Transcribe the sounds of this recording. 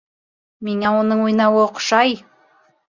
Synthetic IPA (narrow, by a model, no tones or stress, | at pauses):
meŋæwonəɴwo̞jnɑwəoqʰʊ̥ʃɑj